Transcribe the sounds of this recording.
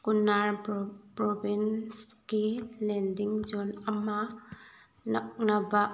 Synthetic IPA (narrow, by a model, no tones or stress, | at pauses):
kunaɾpɾɔbʱinsɡilendiŋd͡ʒɔnɐma | nɐk̚naba